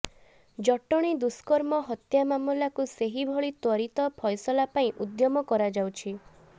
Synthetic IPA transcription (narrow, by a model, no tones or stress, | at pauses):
d͡ʒɔʈɔɽ̃id̪uskɔɾmɔɦɔt̪jamamulakuseɦibʱɔɭit̪wɔɾit̪ɔpʰɔjsɔlapaĩʔud̪jɔmɔkɔɾad͡ʒawt͡ʃʰi